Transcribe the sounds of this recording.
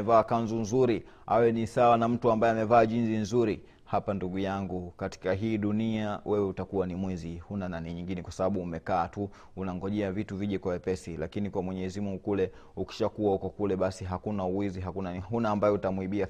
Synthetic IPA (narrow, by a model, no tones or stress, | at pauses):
ɛvaːkanzunzuɾi | a̰wɛnisawanam̩tuambaɛamɛvaːʄinsinzuɾi | hapanduɠujaŋɡukati̥kaɦiːɗuniawɛwɛutakuwanimwizihunananiɲiŋɡinɛkwasaɓaɓuːmɛkaːtu | unaŋɡɔʄɛavituviʄɛkwawɛpɛsilakinikwamwɛɲɛzimuŋɡukulɛ | uki̥ʃakuwaukɔkulɛɓasiɦakunauwiziɦakunanɦunaːmbajɛutamuiɓia